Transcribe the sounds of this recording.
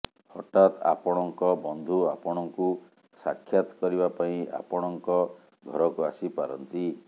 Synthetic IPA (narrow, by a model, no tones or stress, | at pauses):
hɔʈat̪a̰pɔɽ̃ɔŋkɔbɔnd̪ʱuapɔɽ̃ɔŋku | sakʰjat̪ɔ̥kɔɾibapaĩa̰pɔɽ̃ɔŋkɔ | ɡʱɔɾɔkuasipaɾɔnt̪i